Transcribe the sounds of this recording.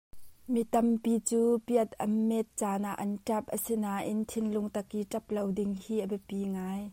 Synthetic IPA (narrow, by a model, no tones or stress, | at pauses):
mit̪ɐmpit͡suːpiət̪ɐ̰mɛt̪̚t͡saːnaʔnʈ͡ʂɐp̚ʔəsinaːʔɪnt̪ʰɪnlʊŋt̪ɐkiːʈ͡ʂɐp̚lowdɪŋhiːʔəbɛpiŋaːj